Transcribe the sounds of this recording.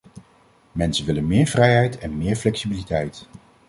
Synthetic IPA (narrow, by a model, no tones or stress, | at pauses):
mɛnsənʋɪlənmɪːɹvrɛjɦɛjtɛnmɪːɹflɛksibilitɛjt